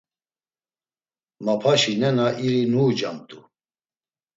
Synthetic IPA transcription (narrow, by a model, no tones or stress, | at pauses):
mapʰaʃinɛnaʔiɾinuːd͡ʒa̰mt̪ʼu